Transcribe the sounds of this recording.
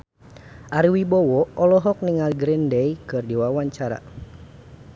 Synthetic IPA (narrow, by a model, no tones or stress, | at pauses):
ʔaɾiwibɔwɔɔlɔɦɔk̚niŋalɡɾindɛjkɨrdiwawaɲt͡ʃaɾa̰